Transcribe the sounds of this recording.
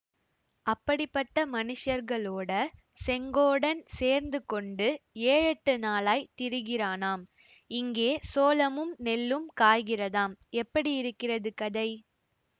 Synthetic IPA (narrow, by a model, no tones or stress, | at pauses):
ʔɐpːɐɽɪpːɐʈːɐmɐnɪʂɐɾɣɐɭoːɽɐ | sɛŋɡoːɽɐnseːɾnd̪ɯkɔɳɖɯeːɻɐʈːɯnaːlaːɪt̪ɪɾɯɣɪraːnaːm | ɪŋɡeːsoːlɐmɯmnɛlːɯmkaːjɣɪrɐðaːmɛpːɐɽiɪɾɯkːɪrɐðɯkɐðɐɪ